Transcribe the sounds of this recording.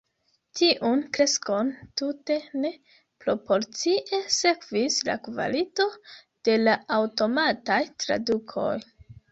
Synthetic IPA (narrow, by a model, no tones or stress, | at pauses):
tiʔunkɾe̞sko̞ntute̞ne̞ | pɾo̞po̞ɾt͡siʔe̞se̞kvisla̰kva̰lito̞ | d̥e̞laːwto̞matajtɾa̰dukʰo̞̰j